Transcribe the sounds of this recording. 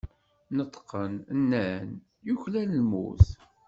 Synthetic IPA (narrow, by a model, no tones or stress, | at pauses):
nət̪ˤːqːənənːæn | juçlænəlmṵθ